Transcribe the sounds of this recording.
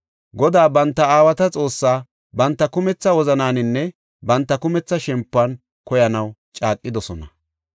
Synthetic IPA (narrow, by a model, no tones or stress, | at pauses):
ɡɔd̪aːbɐnt̪ːɐaːwɐt̪ɐt͡sʼo̞ːsːaː | bɐnt̪ːɐkʊmɛt͡sːɐwɔzɐnaːnɪnːɛ | bɐnt̪ːɐkʊmɛt͡sːɐʃɛmpːɐn | kɔjɐnɐwt͡ʃʼaːkʼːɪd̪ɔsɔnɐ